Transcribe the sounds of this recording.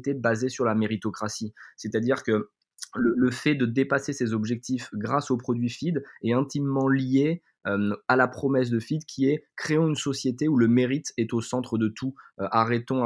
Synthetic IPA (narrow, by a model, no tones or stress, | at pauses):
t̪ebazesyʁlameʁit̪ɔkχasisɛt̪ad̪iʁkə | lələfɛd̪əd̪epasesezɔbʒɛk̚t̪ifɡʁasopχɔd̪ɥifid̪ɛt̪ɛ̃t̪imːɑ̃lje | ømalapχɔmɛs̬d̪əfid̪kʲʰiɛkχeɑ̃ynsɔsjet̪euləmeʁit̪ɛt̪osɑ̃t̪χəd̪ət̪ʰuøʔaʁɛt̪ɔ̃